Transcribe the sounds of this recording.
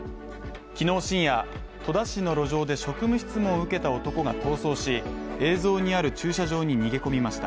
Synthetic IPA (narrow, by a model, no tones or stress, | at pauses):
kʲino̞ːɕĩɰ̃ja | t̪ʰo̞d̪aɕino̞ɾo̞ʑo̞ːd̪e̞ɕo̞kɯ̟mɯ̟çi̥t͡sɨmõɯ̟ke̞t̪ao̞t̪o̞ko̞ɡat̪o̞ːso̞ːɕie̞ːzo̞ːɲ̟iaɾɯ̟t͡ɕɨːɕaʑo̞ːɲ̟iɲ̟iɡe̞ko̞mʲimaɕi̥t̪a̰